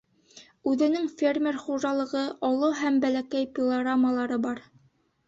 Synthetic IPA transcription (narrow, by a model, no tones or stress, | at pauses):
ʉðɘ̆nɘŋfʲermʲerχuʒɑlˠɤ̆ʁɤʔɑlˠɤɦæmbælækæjpʲɪlˠɐɡramːəlˠɑɾɤbɑɾ